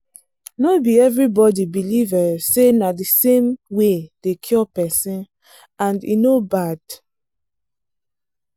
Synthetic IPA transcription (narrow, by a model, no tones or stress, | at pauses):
nobiɛvɹibɔdibilivəsenadisẽmwed̥ekʰjɔpɛsĩn | ãndḭnobad̥